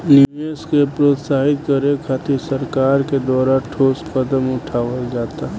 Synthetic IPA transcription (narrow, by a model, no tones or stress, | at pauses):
lueskepɾoːt̪saːɦɪt̪̚kəɾekʰaːt̪ʰisəɾkaːɾked̪ɔːɾaʈʰoːskəd̪əmʊʈʰaːʋəld͡ʒaːt̪aɦɛ